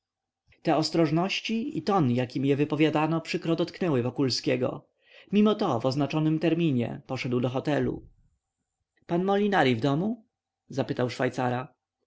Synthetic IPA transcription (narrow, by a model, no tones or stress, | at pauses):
t̪ɛɔst̪ɾɔʐnɔɕt͡ɕiḭt̪ɔnjakʲimjɛvɘpɔvʲjad̪anɔpʂɘkɾɔd̪ɔt̪knɛwɘvɔkulskʲɛɡɔ̰ | mʲimɔt̪ɔvɔznat͡ʂɔnɘmt̪ɛɾmʲiɲɛ̰pɔʂɛd̪wd̪ɔxɔt̪ɛlṵ | panmɔlʲinaɾʲivd̪ɔmu | zapɘt̪awʂfajt̪saɾa